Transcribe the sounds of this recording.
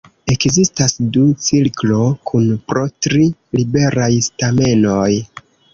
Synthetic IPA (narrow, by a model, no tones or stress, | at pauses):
e̞kzistasdut͡silklo̞kʰunpɾo̞tɾilibe̞ɾajstame̞no̞j